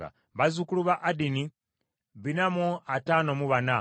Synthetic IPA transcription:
a̰ | βazukuluβaʔadini | βinamuatanomuβana

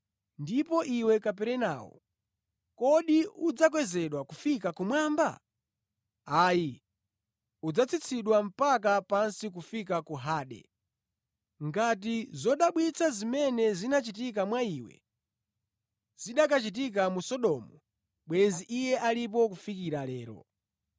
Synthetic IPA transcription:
ndipɔʔiwɛkap̬ɛɾɛna̰ːwɔ̰ | kɔɗiud͡zak̬wɛzɛɗwakufikakumwaːmba̰ | aːji | ud͡zat͡sʰit͡sʰiɗwam̩pak̬apansik̬ufik̬akuɦaːɗɛ̰ | ŋɡat̬izɔɗaɓwit͡sʰazimɛnɛzinat͡ʃitik̬amwaiːwɛ̰ | z̥iɗak̬at͡ʃit̬ik̬amusɔɗɔːmɔ | ɓwɛnziʔijɛʔalip̬ɔkufikiɾalɛːɾɔ̰

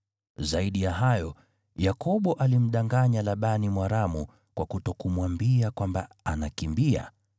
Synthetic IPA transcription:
zaiɗijaɦajɔ | jakɔɓɔʔalim̩ɗaŋɡaɲalaɓanimwaɾamu | kwakutɔkumwambiakwamba | anakimbia̰

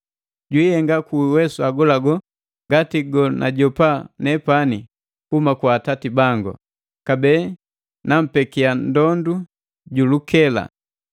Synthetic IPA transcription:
ɟwihɛŋɡakuwɛsuaɡɔlaɡɔ | ŋɡatiɡɔnʔa̰ɟɔpanɛpani | kumakwaːtatibaŋɡɔ̰ | kabɛ | nam̩pɛkiandɔndu | ɟulukɛla̰

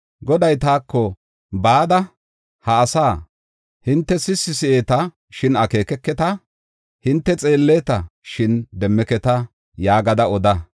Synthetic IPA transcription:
ɡɔd̪ɐjt̪aːkːɔ | baːd̪ɐ | hɐːsaː | hɪnt̪ːɛsɪsːɪsɪʔe̞ːt̪ɐ | ʃɪnɐke̞ːkɛkːɛt̪ɐ | hɪnt̪ːɛt͡sʼe̞ːlːeːt̪ɐʃɪnd̪ɛmːɛkɛt̪ɐ | jaːɡɐd̪ɐɔd̪ɐ

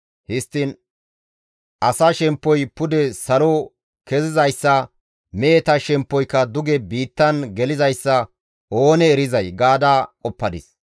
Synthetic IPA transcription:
hɪst̪ːɪn | ʔɐsaːʃɛmpːɔjpʊd̪ɛsɐlɔ | kɛzɪzɐjsːɐ | meːt̪ɐʃɛmpːɔjkːɐd̪ʊɡɛbiːt̪ːɐnɡɛlɪzɐjsːɐ | ʔoːnɛːɾɪzɐjɡaːd̪akʼɔpːɐd̪ɪ̰s

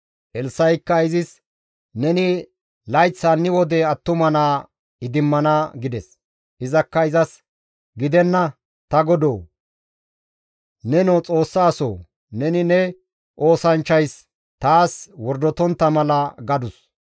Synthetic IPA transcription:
ʔɛlsɐjkːɐɪzɪs | nɛnɪ | lɐjt͡sːaːnːɪwɔd̪ɛɐt̪ːʊmɐnaː | ɪd̪ɪmːɐnaːɡɪd̪ɛs | ʔɪzɐkːɐɪzɐs | ɡɪd̪ɛnːɐ | t̪ɐɡɔd̪oː | nɛnɔt͡sʼo̞ːsːaːso̰ː | nɛnɪnɛ | ʔo̞ːsɐnt͡ʃːɐjs | t̪aːswɔɾd̪ɔt̪ɔnt̪ːɐmɐlɐɡɐd̪ʊs

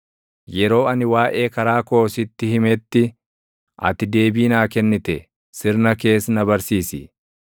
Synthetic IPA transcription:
jɛɾo̞ːɐnɪwaːʔe̞ːkɐɾaːkoːsɪt̪ːɪhɪmɛt̪ːɪ | ʔɐ̰t̪ɪd̪e̞ːbiːnaːkɛnːɪt̪ɛ | sɪɾnɐke̞ːsnɐbɐɾsiːsɪ̰

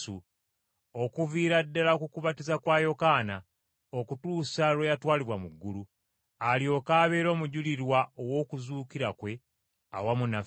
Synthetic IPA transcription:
u | okuviːɾadːalakukuβatizakwaːjo̞kaːna | okutuːsalwejatwaːliβwamuɡːulu | alio̞kaːβe̞ːɾo̞ːmuɟuliɾwaowo̞kuzuːkiɾakwe̞ | a̰wamunaf

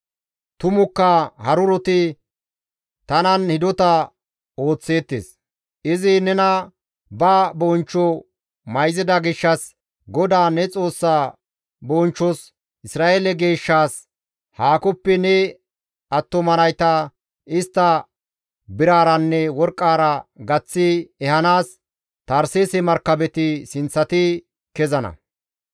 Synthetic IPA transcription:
t̪ʊmʊkːɐhɐɾʊɾɔt̪ɪ | t̪ɐnɐnhɪd̪ɔt̪ɐ | o̞ːt͡sːe̞ːt̪ːḛːs | ɪzɪnɛnɐ | bɐbɔnt͡ʃːɔ | mɐjzɪd̪ɐɡɪʃːɐs | ɡɔd̪aːnɛt͡sʼo̞ːsːaː | bɔnt͡ʃːɔs | ʔɪsɾaːʔeːlɛɡe̞ːʃːaːs | haːkɔpːɛnɛ | ɐt̪ːɔmɐnɐjt̪ɐ | ɪst̪ːɐ | bɪɾaːɾɐnːɛwɔɾkʼːaːɾɐɡɐt͡sːɪɛhɐnaːs | t̪ɐɾseːsɛmɐɾkːɐbɛt̪ɪsɪnt͡sːɐt̪ɪ | kɛzɐnɐ̰

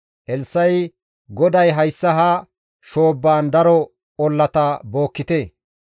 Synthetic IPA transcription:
ʔɛlsːɐj | ɡɔd̪ɐjɦɐjsːɐɦɐ | ʃo̞ːbːaːnd̪ɐɾɔ | ɔlːɐt̪ɐbo̞ːkːɪt̪e

